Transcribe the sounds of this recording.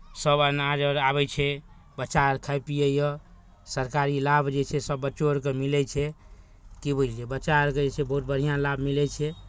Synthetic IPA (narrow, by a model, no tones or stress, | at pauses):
səbanad͡ʒəɾabɛjt͡ʃʰɛ | bət͡ʃaɾkʰajpijəjɔ | səɾkaɾilabd͡ʒet͡ʃʰɛsəbːət͡ʃoɾkemilɛt͡ʃʰɛ | kibət͡ʃɛbət͡ʃaɾked͡ʒet͡ʃʰɛbəɦut̪̚bəɽ̤ijãlabmilɛt͡ʃʰɛ